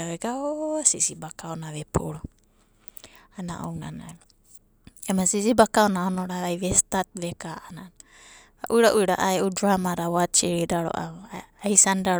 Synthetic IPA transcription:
aβeɡasisibakaonaβepʰuɾo | ana̰ʔo̰wnanaeɾo | emasisibakaonaonoɾaβajβestat̪̚βekaʔanana | aʔujɾaʔujɾaʔaeʔudɾamaɾawat͡ʃiɾidaɾo̰ʔa̰aisanda

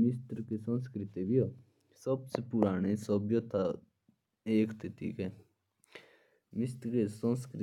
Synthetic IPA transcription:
mɪst̪ɾkesə̃nskɾɪt̪ibio | səbsepʊɾaːɽ̃esəbjət̪ʰa | eːkt̪ʰɪt̪ʰḭːkɛː | mɪst̪ɾkesə̃nskɾɪ

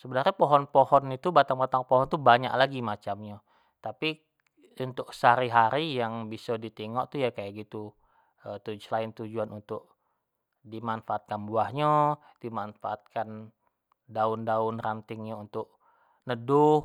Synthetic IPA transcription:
səbənarɲapoɦɔnpohɔnit̪ubat̪aŋbat̪aŋpoɦɔnt̪uhbaɲa̰ʔlaɡimat͡ʃamɲa | t̪api | unt̪ʊksaɾiɦaɾijaŋbisɔdit̪iŋɔʔt̪ujakajaʔɡit̪u | ət̪ud͡ʒlaɪnt̪ud͡ʒuanunt̪ʊk̚ | dimanfaːt̪̚kanbuahɲa | dimanfaat̪̚kan | daʊndaʊnrant̪ɪŋɲaunt̪ʊk̚ | nədʊ

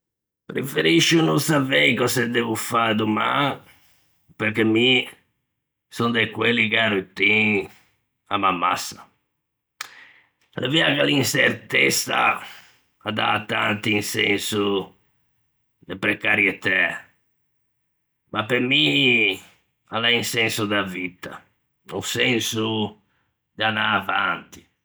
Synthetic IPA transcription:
pɾefeɾiʃːunɔnsapekɔsɛd̪ːɛvufad̪uma̰ | peɾkemːi | sɔnd̪ekwelikaɾut̪ːi | a̰mamːa̰sːa | laviakalinsɛrt̪ɛsa̰ː | d̪a̰t̪ːant̪iːnsɛ̰nsu | d̪ɛpɾɛkaɾjɛt̪ɛ | mapːeɾmi | alainsɛnsud̪avit̪ʰa̰ | usɛnsu | d̪anaavant̪i̥

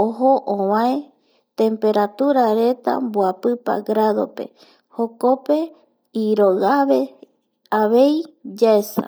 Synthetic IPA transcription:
oɦoʔõβãe | t̪e̞mpe̞ɾat̪uɾaɾe̞t̪a̰mboapɨpa̰ɡɾaðo̞̰pe̞̰ | ho̞ko̞pe̞ | iɾo̞ɣaβe̞ | aβe̞jd͡ʒaesa̰

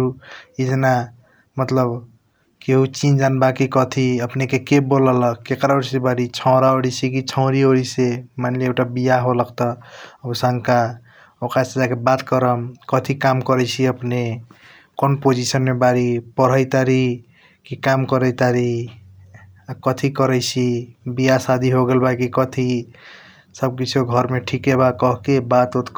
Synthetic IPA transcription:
ɾuid͡ʒena | mət̪ləb | keɦut͡ʃind͡ʒanbakikɔt̪ʰiəpnekekeboləlʌkːekɾaoɾisebaɾit͡ʃʰɔ̃ʊ̃ɾaoɽit͡ʃʰik̬it͡ʃʰə̃ʊ̃ɾioɾisemanliekʈabijaɦoləkt̪ʌəbsaŋka | okɾased͡ʒakebat̪kəɾəmkʌt̪ʰikamkʌɾɛɪt͡ʃʰiəpne | konpod͡ʒisənmebaɾipəɾ̤ʌjt̪aɾi | kikamkʌɾəjt̪aɾi | akʌt̪ʰikʌɾɛjt͡ʃʰibijasad̪ʱiɦoɡelbakikʌt̪ʰi | səb̚kit͡ʃʰioɡʱʌɾmeʈʰikeβakʌɦkebat̪ot̪

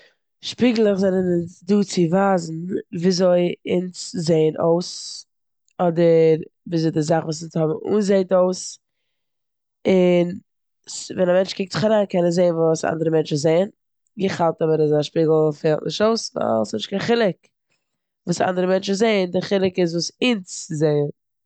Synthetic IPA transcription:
ʃpiːɡl̩ˠəχzɛnənəsduːt͡sɪvaːzn̩viːzoɪɪnszeɪənʔoʊs | ɔdəɾviːzoɪdɪzaχvuːsɪshɔbm̩ṵːnzeɪtoʊs | ɪn | svɛnamɛnt͡ʃkɪk̚tzɪχaɾaːnkɛnəzeɪənvuːsa̰ndəɾəmɛnt͡ʃ̩zeɪən | ɡəχalˠtɔbəɾɪzaʃpiːɡl̩ˠfɛlˠtnɪʃtoʊsva̰lˠsnɪʃtkaɪnχɪlˠɪk | vuːsa̰ʔa̰ndəɾəmɛnt͡ʃɪzeɪəndɪχɪlˠɪkɪzvuːsɪnt͡szeɪən

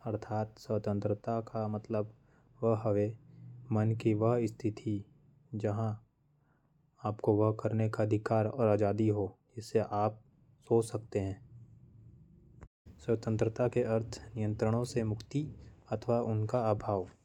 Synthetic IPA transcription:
ɐɾt̪ʰaːt̪sət̪ə̃nt̪ɾət̪akamɐt̪ləb | ʋəɦɦəʋemənkiʋəɦɪst̪ʰɪt̪ʰi | d͡ʒɐɦã | aːpkoʋəɦkəɾnekaəd̪ʱɪkaːɾɔ̰ːɾaːd͡ʒaːd̪iɦod͡ʒɪsːeʔaːp̚ | soːt͡ʃsɐk̚t̪eɦɛ̃ː | sət̪ə̃nt̪ɾət̪akeʔɐɾt̪ʰnɪjə̃nt̪ɾəɽ̃õsemʊkʰt̪iɐt̪ʰʋaʔʊnkaabʱaːʋ

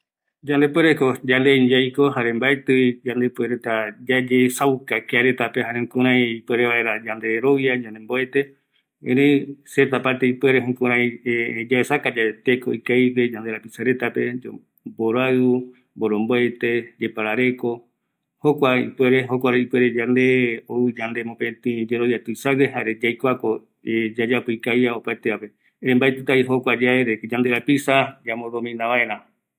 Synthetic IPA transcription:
d͡ʒand̪e̞pwe̞ɾeko̞d͡ʒand̪eɲd͡ʒajkoɦaɾe̞mbaet̪ɨid͡ʒand̪e̞pwe̞ɾet̪ad͡ʒad͡ʒesawkakeaɾe̞t̪apehaɾeũkũɾ̃ãj̃ipwe̞ɾeβae̞ɾad͡ʒand̪e̞ɾo̞ʋiad͡ʒãnd̪emboet̪e̞ | ḛ̃ɾẽset̪apaɾt̪eipwe̞ɾeɦũkũɾãj̃d͡ʒaesakad͡ʒaet̪eko̰ikajpe̞d͡ʒand̪e̞ɾapisaɾe̞t̪ape̞d͡ʒo | boɾaɨu | mbo̞ɾo̞mboet̪e̞d͡ʒepaɾaɾe̞ko̞ | hokʷaḭpwe̞ɾe̞ɦo̞kʷaɾeipe̞ɾe̞d͡ʒand̪e̞oɨd͡ʒand̪e̞mõpẽt̪ĩd͡ʒeɾojat̪ɨisaweɦaɾed͡ʒajkʷako | ed͡ʒad͡ʒapoikajaopaet̪eape̞ | ɾẽmbaet̪ɨt̪aiɦo̞kʷad͡ʒaeɾekd͡ʒand̪e̞ɾapisad͡ʒamoðomĩnãʋaẽɾ̃ã

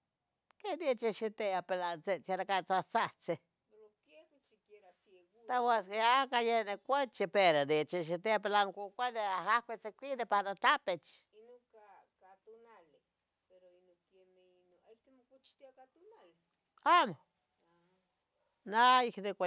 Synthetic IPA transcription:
ked̪it͡ʃeʃit̪eapelant͡set͡saɾakat͡sat͡sat͡se | eɾokjekut͡ʃikeɾaseɣt̪aweskeakajenekʷet͡ʃipeɾod̪it͡ʃeʃ̬it̪eapelaŋkʷukʷaneahakʷet͡sekʷid̪epaɾat̪apet͡ʃ | inuka | kat̪unale | eɾoinoken | n | jt̪emokut͡ʃi̥t̪jakat̪unal | amo | naiknekʷa

